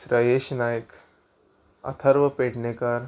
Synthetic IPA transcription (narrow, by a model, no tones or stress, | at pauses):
sɾajeɕnaːjək | ɐ̰t̪ʰəɾʋəpeɽnekaɾ